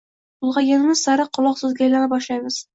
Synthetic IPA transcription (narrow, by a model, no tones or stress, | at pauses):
bʊlˠʁɑjanɪmɪzsaɾɑqʰːʊlˠɑqsʊzɡʲaːjlanɪpɒʃlˠɑjmɪz̥